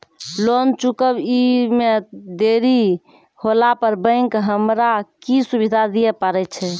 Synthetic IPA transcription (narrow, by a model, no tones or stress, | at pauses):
lont͡ʃukəbimed̪eɾi | holapəɾbə̃ɪ̃ŋkɦəmɾakisubid̪ʱad̪ijɛpəɾɛt͡ʃʰɛ